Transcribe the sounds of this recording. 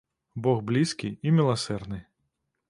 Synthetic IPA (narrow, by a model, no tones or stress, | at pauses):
bɔɣblʲiskʲiimʲilˠasɛrd̪nɨ